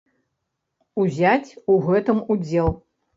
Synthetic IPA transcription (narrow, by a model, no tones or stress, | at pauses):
uzʲat͡sʲuɣɛt̪ɨmud͡zʲɛlˠ